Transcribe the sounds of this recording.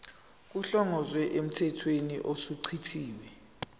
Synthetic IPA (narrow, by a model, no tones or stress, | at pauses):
k̬uɬɔŋɔzwɛʔem̩tʰɛtʰweniʔosuǀʰitʰiːwɛ